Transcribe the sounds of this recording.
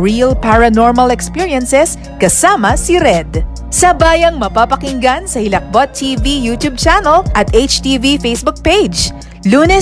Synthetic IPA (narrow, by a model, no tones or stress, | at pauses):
ɹiɐlpaɹɐnoɹmɐlɛkspiɹiɐnsɛs | kɐsaːmɐsiɾɛd̪ | sɐbaːjɐŋmɐpapɐkɪŋɡansɐhɪlɐk̚bot̪ʰːiːvijut̪jub̚t͡ʃanɐlʔɐt̪ejt͡ʃt̪ivifejsbʊk̚pejd͡ʒ | luːnɛ